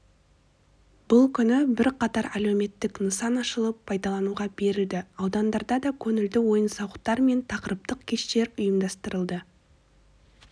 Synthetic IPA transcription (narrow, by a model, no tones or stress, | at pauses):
b̥ʊlˠkʲʰʏnɪbɪɾqʰɑt̪ɑɾæleme̞t̪ːɪknəsɑnɑʃəlˠəpʰːɑjd̪ɑlˠɑnuʁɑbe̞ɾɪld̪ɪɑwd̪ɑnd̪ɑɾd̪ɑd̪ɑkʲʰɵnɪld̪ɪwo̞jənsɑwəqt̪ɑɾme̞nt̪ʰɑqəɾəp̚t̪əq̚kʲʰe̞ʃt̪e̞ɾʊjəmd̪ɑst̪əɾəlˠd̪ə